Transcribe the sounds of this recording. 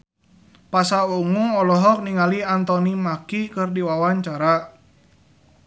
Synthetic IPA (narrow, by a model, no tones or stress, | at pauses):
pasauŋuŋɔlɔɦɔk̚niŋaliant̪ɔnimakikɨrdiwawaɲt͡ʃaɾa